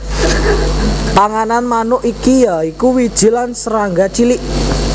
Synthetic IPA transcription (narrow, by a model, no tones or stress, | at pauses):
paŋananmanʊʔikijaikuwid̥ʒ̥i̤lansəɾaŋɡat͡ʃiliʔ